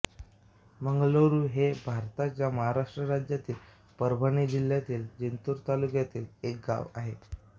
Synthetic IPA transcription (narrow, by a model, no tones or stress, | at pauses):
məŋɡloɾuːɦebʱaɾt̪at͡ɕjaməɦaɾaʂʈɾəɾad͡ʑjat̪iːl | pəɾbʱəɳ̃id͡ʑil̤jat̪iːld͡ʑint̪uːɾt̪alukjat̪iːlek̚ɡa̰ʋaɦe